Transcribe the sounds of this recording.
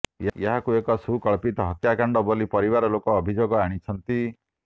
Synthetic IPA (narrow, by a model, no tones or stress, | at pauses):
jjaɦakuekɔsukɔɭpit̪ɔɦɔkjakaɳɖɔbolipɔɾibaɾɔlokɔːbʱid͡ʒoɡɔaɽ̃it͡ʃʰɔnt̪i